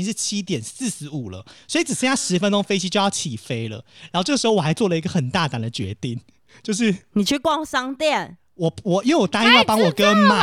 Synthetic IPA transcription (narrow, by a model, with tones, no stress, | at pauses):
i˧˦ŋʂɻ̩˥˩t͡ɕʰi˦t̪jɛ˨˩nsɹ̩˥˩s̩˧˥u˨˩lə̰˦swɔ˧˥i˨˩t͡s̩˨˩ʂɻ̩˥˧ja˥˩ʂɻ̩˧˥fə˧˦nto˥˦ŋfe˥ɪt͡ɕʰi˥t͡ɕo˥˧jɑ˥˩ʊt͡ɕʰi˨˩fe˦˥ɪlə̰˨ɻa˧˥˧ʈ͡ʂə˥˩ʂ̩˧o˥˩wa˧ɪt͡swɔ˥˩lə˨˩i˧˦ɡə˨xə˨˩nt̪a˥˨t̪a˨˩nd̪ə˨t͡ɕɥɛ̰˧˦t̪i˥˩ŋ | t͡ɕjo˥˧ʊʂ̬ɻ̩˥˨ni˨˩t͡ɕʰy˥˧kwɑ˥˧ŋsɑ˥ŋt̪jɛ˥˨˩n | wɔ˨˩wɔ˨˩i˧˥wɔ˨˩t̪a˥ni˥jpɑ˥ŋwɔ˨˩kə˦nma˨